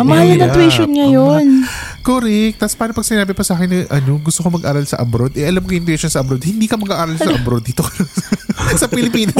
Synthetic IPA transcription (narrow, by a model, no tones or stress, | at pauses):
mɐhalɐnɐwɛʃonŋɐjonkoːɾɛk̚t̪aspaːɾopɐɡ̥̚sɪnaːbɪpɐsaːkɪnːɐʔɐno̞ɡʊst̪okomɐɡʔaːɾɐlsɐʔɐbɾod̪ʔɛʔɐlamkoʔɪnt̪wɛʃonsɐʔɐbɾod̪̚hɪnd̪iːkɐmɐɡʔaːʔaːɾɐlɐʔɐbɾod̪ːiːt̪o | sɐpɪlɪpiːno